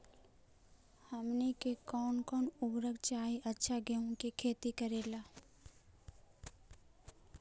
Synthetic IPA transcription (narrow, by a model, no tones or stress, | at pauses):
həmnikekɔːnkɔːnʊbɾəɡt͡ʃaːɦiʔɐtːʃʰaɡeũkekʰeːt̪ikəɾeːlaː